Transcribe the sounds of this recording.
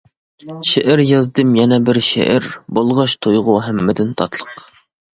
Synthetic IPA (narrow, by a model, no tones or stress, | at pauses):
ʃeʔɪɾjɑzd̪ɨmjɛnɛbɪɾʃḛʔæɾbolˠʁɑʃt̪ʰojʁʊɦɛmːɪd̪ɪnt̪ʰɑt̪lˠəq